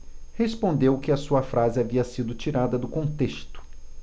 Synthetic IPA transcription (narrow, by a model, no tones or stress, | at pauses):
hespõnd̪ewkɪɐsuɐfɾʔazɪaviɐsid̪ʊt͡ʃiɾad̪ɐd̪ʊkõnt̪est̪ʊ̥